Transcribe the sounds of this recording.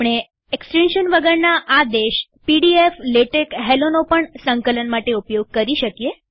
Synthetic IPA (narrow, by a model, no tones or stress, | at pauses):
ɽ̃e | eksʈenʃənʋəɡəɾnaʔad̪eʃ | piɽiefleʈəkɦelonopəɳsəŋkələnmaʈeupjoɡ̚kəɾiʃəkije